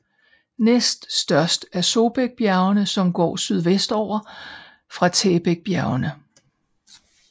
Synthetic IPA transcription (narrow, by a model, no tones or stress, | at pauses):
nesd̥sd̥ɶɐsd̥æɐso̝b̥eɡ̥̚b̥jæʊɐnəsɒ̽mɡ̥ɒ̰ːsyð̞ˠʋesd̥ɒʊ̰ɐ | fʁɑ̈t͡sʰeːb̥eɡ̥̚b̥jæʊɐnə